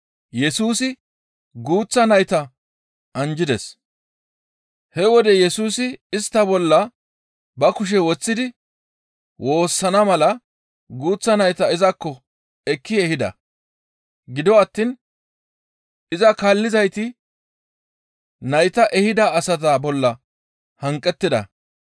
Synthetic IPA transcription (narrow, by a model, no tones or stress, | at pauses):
jɛsuːsɪ | ɡuːt͡sːɐnɐjt̪ɐ | ɐnd͡ʒɪd̪ɛs | hɛwɔd̪ɛjɛsuːsɪɪst̪ːɐbɔlːɐ | bɐkʊʃ̬ɛwɔt͡sːɪd̪ɪ | wʔo̞ːsːɐnɐmɐlɐ | ɡuːt͡sːɐnɐjt̪ɐɪzɐkːɔ | ɛkːɪɛhɪd̪ɐ̰ | ɡɪd̪ɔɐt̪ːin | ɪzɐkaːlːɪzɐjt̪ɪ | nɐjt̪ɐʔɛhɪd̪ɐːsɐt̪̬ɐbɔlːɐ | hɐŋkʼːɛt̪ːɪd̪ɐ̰